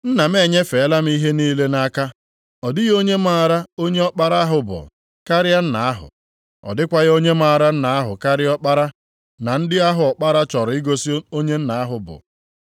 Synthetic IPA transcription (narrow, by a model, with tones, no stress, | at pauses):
n̩˦na˨me˦˨ɲe˦fe˨˦la˦m̩˦i˦ɦe˦niː˦le˦na˦ka˦ | ɔ˨dɪ˦ɣo˦ɲe˦m˦a˦˨ɾa˦o˦ɲe˦ɔ˦k͡pa˦ɾa˦a˦ɦʊ˨bʊ̰˨ | ka˦ɾɪ˦a˦n̩˦na˨a˦ɦʊ̰˨ | ɔ̰˨dɪ˦kʷa˦ɣo˦ɲe˦ma˦˨ɾa˦n̩˦na˨a˦ɦʊ̰˨ka˦ɾɪ˦ɔ˦k͡pa˦ɾa˦ | na˨n̩˦dɪ˦a˦ɦʊ˨ɔ˨k͡pa˦ɾa˦t͡ʃɔ˨ɾʊ˨ɪ˦ɡo˦si˦o˦ɲe˦n̩˦na˨a˦ɦʊ˨bʊ̰˨